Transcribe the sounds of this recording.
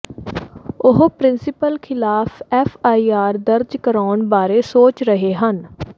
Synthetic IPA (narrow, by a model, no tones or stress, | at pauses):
ʊɦopɾɪnsɪpəlkʰɪlaːpɛːfʰaːiːaːɾd̪əɾd͡ʒkəɾaːɳbaːɾeːsoːt͡ʃɾəɦeːɦən